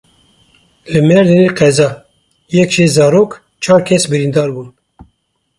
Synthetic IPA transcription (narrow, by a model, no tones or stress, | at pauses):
lɨmɛɾd̪ɨniqʰɛzɑː | jɛkʒeːzɑːɾoːk | t͡ʃʰɑːɾkʲʰɛsbɨɾind̪ɑːɾbuːn